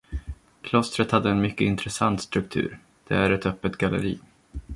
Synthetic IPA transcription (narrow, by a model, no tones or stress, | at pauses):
kʰlɔst̪ɾət̪had̪ːəɛnmʏkːəɪnt̪ɾɛsant̪st̪ɾɵk̚t̪ʰʉ̟̰ːɾ | d̪̥ɛ̰æɾɛt̪œpːət̪ɡalə̰ɾḭː